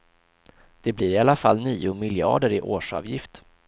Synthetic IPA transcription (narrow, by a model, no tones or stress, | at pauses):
d̪̥ɛblɪɾɪalːafalːniːʊmɪljɑ̰ːɖəɾɪʔoːʂɑ̰ːvjɪft̪